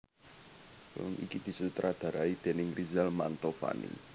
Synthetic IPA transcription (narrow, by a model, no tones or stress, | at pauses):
ʊ̰nikid̪̥i̤sut̪ɾad̪̥ä̤ɾaid̪̥e̤nɪŋrizɛlmant̪ɔfa̰nḭ